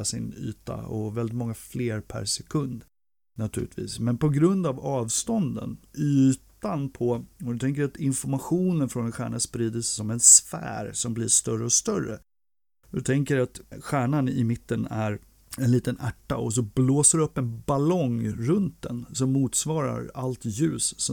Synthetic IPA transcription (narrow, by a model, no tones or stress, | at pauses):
sɪ̰ny̰ːt̪a̰ɔvɛlɪt̪mɔŋːafleːɾpʰæ̰ɾsɛkʰɵnd̪ | nat̪ʰʉ̟ːlɪt̪ʰvḭːsmɛnpʰɔɡɾɵnd̪avɑːvst̪ɔnd̪ə̰nyːt̪anpʰɔɔd̪ɵt̪ʰɛŋk̬əɾat̪ɪnfɔɾmaɧuːnənfɾɔnɛnɧæ̰ːɳaspɾiːd̪əsɛsɔmɛnsfæ̰ːɾsɔmblɪːʂt̪œrəɔst̪œɾə̰ | d̪ɵt̪ʰɛŋkəɾat̪ɧæːɳanɪmɪt̪ːənæɾ | ɛnliːt̪ənæʈːa̰ɔs̬ɔbloːsəɾɖɛɵpːɛnbalɔŋɾɵnt̪̚d̪ɛ̰nsɔmːuːt̪svɑːɾa̰ɾalt̪jʉ̟ːsː